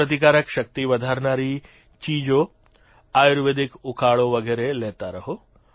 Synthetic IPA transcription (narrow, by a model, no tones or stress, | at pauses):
ət̪̬ikaːɾəkʃɐkt̪iʋɐd̪ʱaːɾnaːɾi | t͡ʃiːd͡ʒo | aːjuɾʋed̪ʱikukʰaːɭoʋɐɡeːɾeleːt̪aɾɐɦo